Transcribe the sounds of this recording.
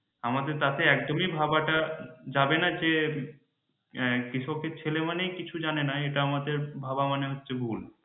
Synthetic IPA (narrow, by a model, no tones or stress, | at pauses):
amad̪eɾt̪at̪eɛk̚d̪omibʱabaʈad͡ʑabenad͡ʑe | kɾit͡ɕʰɔb̚ket͡ɕʰelemanejkit͡ɕʰud͡ʑanenaeʈaamad̪eɾbʱabamaneɦotːɕʰebʱul